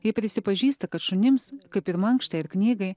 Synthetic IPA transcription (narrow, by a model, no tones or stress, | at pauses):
jɪpʲɾʲɪsʲɪpɐʒʲiːst̪ɐkɐt̪ʃʊnʲɪmskɐɪpɪɾmɐŋkʃt̪ɐɪɪɾknʲiːɡɐɪ